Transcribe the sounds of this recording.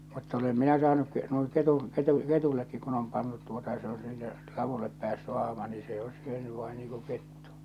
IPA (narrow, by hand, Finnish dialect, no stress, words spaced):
mutːɑ olem minæ sɑːnuk ke nuiŋ ketuŋ ketu ketuilːekːik kun om pɑntut tuotɑ jɑ se o silːe lɑʋulːep pæːsːy ɑhmɑ niː se o syøny ʋɑin niːŋ ku ketːu̥